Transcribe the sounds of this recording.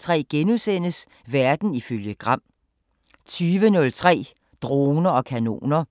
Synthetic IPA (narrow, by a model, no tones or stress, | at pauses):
t͡sʰʁɛ̰ːɡ̥enusen̰əs | ʋæɐd̥n̩iføljəɡ̥ʁɑ̈m̰ | t͡sʰyːʋənɔ̽lt͡sʰʁɛ̰ː | d̥ʁoːnɐɒ̽kʰæno̝̰ːnɐ